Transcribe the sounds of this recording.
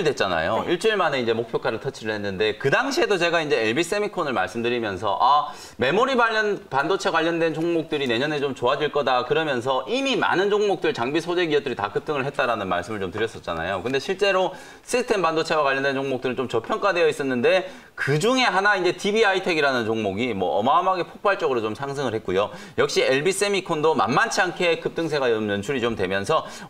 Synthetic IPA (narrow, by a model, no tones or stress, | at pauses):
ɭdwe̞t̚t͡ɕ͈ana̰jo̰iɭt͡ɕ͈uiɭmane̞ind͡ʑe̞mok̚pʰjʌkʰaɾɯɭtʰʌt͡ɕʰiɾɯɭhe̞nːɯnde̞kɯdaŋɕʰiɦe̞dot͡ɕe̞ɡaind͡ʑe̞eɭbis͈emikʰonɯɭma̰ɭs͈ɯmdɯɾimjʌnsʰʌ̰ʔa | me̞moɾibaʎːʌnpandot͡ɕʰekwaʎːʌndwe̞nt͡ɕʰoŋmok̚t͈ɯɾine̞ɲʌne̞t͡ɕomt͡ɕoad͡ʑiɭk͈ʌdakɯɾʌmjʌns̬ʰʌʔimima̰nɯnd͡ʑoŋmok̚t͈ɯɭt͡ɕaŋbisʰod͡ʑe̞ɡiʌp̚tɯɾita̰kɯp̚t͈ɯŋɯɭɦet̚t͈aɾanɯnma̰ɭs͈ɯmɯɭt͡ɕomtɯɾjʌs͈ʌt̚t͡ɕ͈a̰na̰jokɯnde̞ɕʰiɭt͡ɕ͈e̞ɾo | sʰɯstʰembandot͡ɕʰewakwaʎːʌndwent͡ɕʰoŋmokt͈ɯɾɯnt͡ɕomt͡ɕʌpʰjʌŋk͈ade̞jʌis͈ʌnːɯnde̞ | kɯd͡ʑuŋe̞ɦanaind͡ʑe̞tʰibiaitʰeɡiɾanɯnt͡ɕoŋmoɡimwʌ̰ʌ̰mamaɡe̞pʰok̚p͈aɭt͡ɕ͈ʌɡɯɾot͡ɕomsʰaŋs̬ʰɯŋɯɭɦe̞t̚k͈ujo | jʌk̚ɕ͈ieɭbis͈emikʰondoma̰nmant͡ɕʰiankʰe̞kɯp̚t͈ɯŋs̬ʰeɡajʌmjʌnt͡ɕʰuɾit͡ɕomtwe̞mjʌnsʰʌ